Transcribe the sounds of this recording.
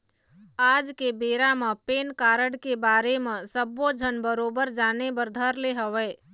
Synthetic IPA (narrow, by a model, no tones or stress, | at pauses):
aːd͡ʒkebeːɾamẽpeːnkaːɾəɽkebaːɾemẽsəbod͡ʒʱənbəɾoːbəɾd͡ʒaːnebəɾd̪ʱəɾleɦəʋɛː